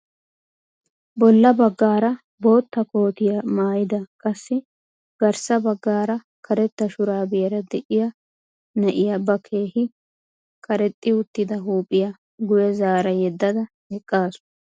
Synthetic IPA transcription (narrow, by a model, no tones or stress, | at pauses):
bɔlːɐbɐɡːaːɾɐ | bo̞ːt̪ːɐko̞ːt̪ɪjɐmaːjɪd̪ɐkʼɐsːɪ | ɡ̥ɐɾsɐbɐɡːaːɾɐ | kʰɐɾɛt̪ːɐʃʊɾaːbɪjɐɾɐd̪ɛʔɪjɐ | nɐʔɪjɐbɐkʰe̞ːhɪ | kʰɐɾɛt̪ʼːɪʊt̪ːɪd̪ɐɦuːpʼːɪjɐ | ɡʊjɛzaːɾɐjɛd̪ːɐd̪ɐ | hɛkʼːaːsʊ̥